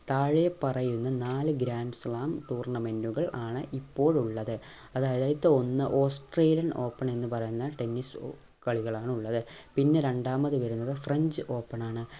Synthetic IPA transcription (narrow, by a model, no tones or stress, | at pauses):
t̪aːɻɨjepɐrɐjunːɐnaːlɨɡɾaːnɨslaːmʈuːrɳɐme̞nduɣɐɭʔaːɳɨʔipːo̞ːɻuɭːɐðɨ | ɐðaːjɐðaːjɐt̪ːɨo̞nːɨʔo̞ːsʈreːlijɐno̞ːpːɐɳe̞nːɨpɐrɐjunːɐʈe̞nːis | kɐɭiɣɐɭaːɳuɭːɐðɨpinːe̞ɾe̞ɳɖaːmɐðɨʋɐɾunːɐðɨfreɲd͡ʑɨʔo̞ːpːɐɳaːɳɨ